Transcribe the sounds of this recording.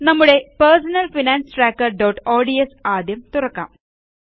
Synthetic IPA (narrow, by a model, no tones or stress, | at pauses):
nɐmːuɽe̞peɾsɐnɐlfinaːnsʈɾaːkːɐɾɖɐːʈoːɖiesaːd̪ʱjɐmt̪urɐkːa̰ːm